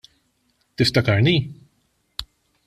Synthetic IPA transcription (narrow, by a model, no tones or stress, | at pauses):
t̪ɪft̪ɐkɐɾniː